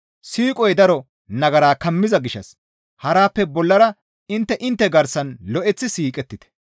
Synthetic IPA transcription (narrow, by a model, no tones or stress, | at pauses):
siːkʼɔjd̪ɐɾɔ | nɐɡɐɾaːkɐmːɪzɐɡɪʃːɐ̰s | hɐɾaːpːɛbɔlːɐɾɐ | ɪnt̪ːɛʔɪnt̪ːɛɡɐɾsɐnlɔʔɛt͡sːɪsiːkʼɛt̪ːɪt̪ɛ̥